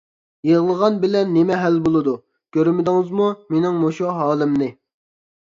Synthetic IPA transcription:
jeʁlˠəʁɑnbɪlɛnːemɛɦælbolˠɨd̪u | kʲʰøɾmɪd̪ɪŋɨzmumenɪŋmoʃuɦɑːlˠɪmnɪ

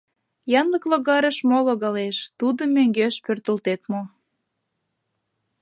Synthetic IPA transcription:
jɑnləkloɣɑɾəʃmoloɣɑleʃt̪ud̪əmːøŋɡeʃpørt̪əlt̪et̪mo

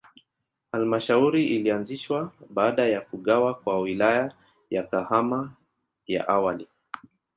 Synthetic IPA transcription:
halmaʃauɾiʔilianziʃwaɓaːɗajakuɠawakwawilaja | jakahama | ja̰ʔawali

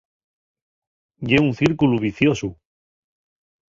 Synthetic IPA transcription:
ʝeun̟θiɾkuluβiθjosu

